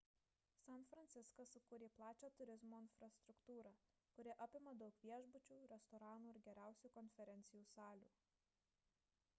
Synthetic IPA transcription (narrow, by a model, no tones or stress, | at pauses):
sʲɐnt̪fɾɐnʲt̪sʲɪskɐsʊkuːɾʲeːplˠɑːt͡ʃʲoːt̪ʊɾʲɪzmoːɪnfɾɐst̪ɾʊkt̪uːɾɑː | kʊɾʲɪʔɐpʲɪmɐd̪ɒʊkʋʲiɛʒbʊt͡ʃʲuːɾʲɛst̪ɔɾɑːnuːɪɾɡʲɛɾʲæˑʊsʲuːkɔnʲfʲɛɾʲɛnʲt̪sʲɪjuːsɑːlʲṵː